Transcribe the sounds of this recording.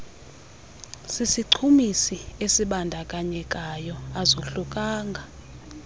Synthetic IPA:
sisiǀʰumisiesiɓandʱakʼaɲɛkʼajɔazoɬukʼaːŋɡʱa

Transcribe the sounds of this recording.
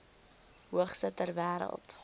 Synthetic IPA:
ɦuəχsətərvæːɾə̰lˠt

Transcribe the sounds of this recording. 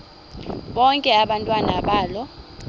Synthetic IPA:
ɓɔŋkʼɛaɓantʼwanaɓaːlɔ

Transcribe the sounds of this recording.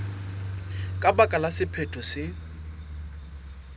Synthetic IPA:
kʼabakʼalasɪpʰetʼʊsɪ

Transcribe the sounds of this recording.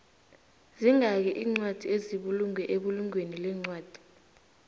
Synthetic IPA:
ziŋak̬ɛʔiːŋ͡ǀwad̥ʱieziɓuluŋwɛʔeɓuluŋwenilɛːŋ͡ǀwaːd̥ʱi̥

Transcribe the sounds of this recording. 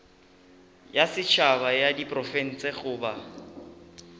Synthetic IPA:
jasɪt͡ʃʰabajadipʼrɔfɛn̩t͡sʼeɣʊːba

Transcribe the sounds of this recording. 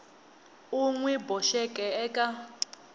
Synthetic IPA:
uŋwɛbɔʃɛkʼɛɛkʼa

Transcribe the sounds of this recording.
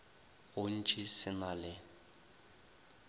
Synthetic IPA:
ɣʊn̩t͡ʃʼisɪnalɪ

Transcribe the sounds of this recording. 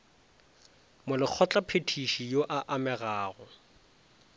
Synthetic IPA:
mʊlɪk͡xʰɔt͡ɬʼapʰetʰiʃijoʔaʔamɛɣaːɣɔ

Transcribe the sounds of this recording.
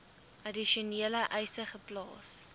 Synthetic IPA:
ʔɐdiʃiuniələʔɐjsəχəplɑ̰ːs

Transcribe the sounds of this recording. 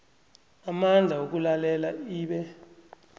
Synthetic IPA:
amand͡ɮʱaok̬ulalɛlaiːɓɛ

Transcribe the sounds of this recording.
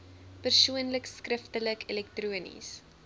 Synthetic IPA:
pərsuənləkskrəftələkɛlɛk̚truənḭs

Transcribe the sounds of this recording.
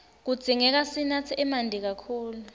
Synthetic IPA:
k̬ud̥d͡z̥ʱiŋɛk̬asinat͡sʰiʔɛmandʱik̬akʰuːlu

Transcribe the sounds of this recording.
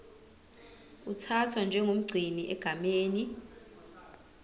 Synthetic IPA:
utʰatʰwand͡ʒʱɛŋʱum̩ɡ͡ǀʱiniʔɛɡ̥ʱameːni

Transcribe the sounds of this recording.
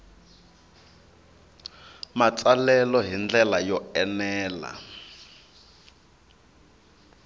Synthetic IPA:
mat͡sʼalɛlɔɦind͡ɮɛlajɔɛnɛːla̰

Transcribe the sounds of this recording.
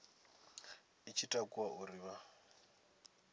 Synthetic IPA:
it͡ʃʰitʼakʼuwaʔuɾiβa

